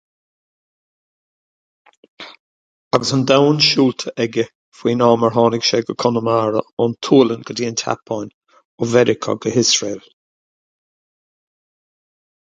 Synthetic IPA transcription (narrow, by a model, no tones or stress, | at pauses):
aɡəsənd̪awnʃuːlt̪ʰəʔɛɡə | fwiːnɑːməɹɦɑːnɪɡʃɛɡəkʰɔnəmaːɹəɔnt̪ʰuːlənɡ̥ədiːnt̪ʰa̰pʰajn | ɔvɛɾɪkʰə̰ɡəhɪsɹeːl